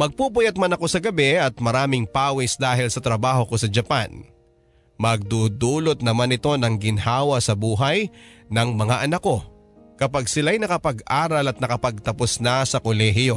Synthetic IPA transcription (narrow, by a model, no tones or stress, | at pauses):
mɐɡ̚puːp̬ʊjɐt̪̚mɐnɐko̞sɐɡɐbɛɐt̪̚mɐɾaːmɪŋpaːwɪsd̪aːɦɪlsɐt̪ɾɐbaːho̞ko̞sɐd͡ʒɐpan | mɐɡ̚d̪uːd̪uːlot̪̚nɐmanɪt̪o̞nɐŋɡɪnhaːwɐsɐbuːɦɐjnɐŋmɐŋaʔɐnako̞ | kɐpaɡsɪlajnɐkɐpɐɡʔaːɾɐlɐt̪̚nɐkɐpɐɡ̚t̪ɐposnɐsɐkolɛɦɪjo̞